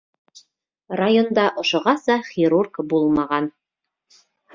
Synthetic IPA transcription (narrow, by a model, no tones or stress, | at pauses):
rajond̪ɑʔŏʃŏʁɑsɑχʲiɾurkbulˠmɑʁɑn